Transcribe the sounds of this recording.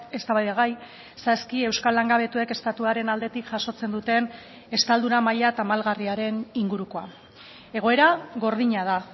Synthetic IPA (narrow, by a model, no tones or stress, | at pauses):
e̞st̪aβajðaɣaj | saskie̞wskalːaŋɡaβe̞t̪ue̞ke̞st̪at̪uaɾe̞nald̪e̞t̪ikʝaʃo̞t͡se̞nd̪ut̪e̞n | e̞st̪ald̪unamaʎat̪amalɣariaɾe̞niŋɡuɾuko̞a | e̞ɣ̞o̞e̞ɾaɣo̞ɾð̞iɲað̞a